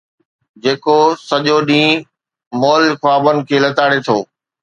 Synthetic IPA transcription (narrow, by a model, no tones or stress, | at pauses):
d͡ʑeːkosɐʄoɗĩː | mɔːlxwaːbənɪ̆kʰeːlɐt̪aːɽet̪ʰoː